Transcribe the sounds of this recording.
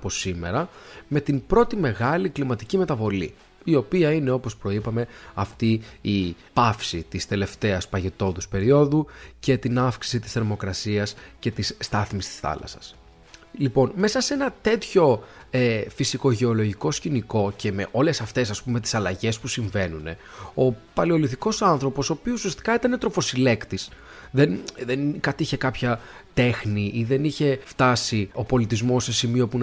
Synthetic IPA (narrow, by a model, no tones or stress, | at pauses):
po̞sime̞̰ɾɐme̞t̪impɾo̞t̪ime̞ɣɐliklimɐt̪icime̞t̪ɐvo̞lḭ | io̞piɐine̞o̞po̞spɾo̞ipɐme̞ɐft̪iipɐfsit̪ist̪e̞le̞ft̪e̞ɐspɐʝe̞t̪o̞ðuspe̞ɾio̞ðuce̞t̪inɐfksi̥sit̪i̥sθeɾmo̞kɾɐsiɐsce̞t̪isst̪ɐθmist̪i̥sθɐ̰lɐ̰sɐ̥s | lipo̞nme̞sɐsee̞nɐt̪e̞t̪ço̞efisiko̞ʝe̞o̞lo̞ʝiko̞sciniko̞ce̞me̞̰ʔo̞le̞sɐft̪e̞sɐspumet̪i̥sɐlɐʝe̞spusiɱve̞nune̞ | o̞pɐlio̞liθiko̞sɐnθɾo̞po̞so̞ːpiosusiɐst̪i̥kɐet̪ɐne̞t̪ɾofo̞sile̞kt̪is | ðenðenkɐt̪içe̞kɐpçɐ | t̪e̞xniʔiðe̞niçe̞ft̪ɐsio̞po̞lit̪izmo̞se̞simio̞pun